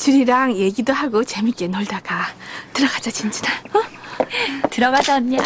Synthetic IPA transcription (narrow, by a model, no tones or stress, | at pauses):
t͡ɕɯɾiɾaŋje̞ɡidoɦaɡot͡ɕe̞mik͈enʌɭdaɡatɯɾʌɡad͡ʑat͡ɕint͡ɕi̥na | tɯɾʌɡad͡ʑaɲa